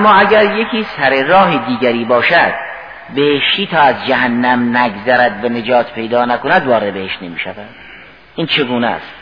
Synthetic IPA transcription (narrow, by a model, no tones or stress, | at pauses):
æmːɒːæɡæɾje̞kʰiːsæɾeɾɒːɦed̪iːɡæɾiːbɒːʃæd̪̥̚ | be̞heʃt̪iːt̪ʰɒːæzd͡ʒæɦænːæmnæɡzæɾæd̪væne̞d͡ʒɒːt̪ʰpʰe̞jd̪ɒːnækonæd̪vɒːɾebeheʃtne̞miːʃævæd̪̥ | ʔiːnt͡ʃʰe̞ɡuːnæ̰st̪